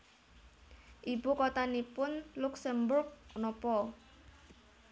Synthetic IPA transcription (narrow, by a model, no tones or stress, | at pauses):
ʔibukɔt̪anipʊnluksəmbʊrɡ̚nɔpɔ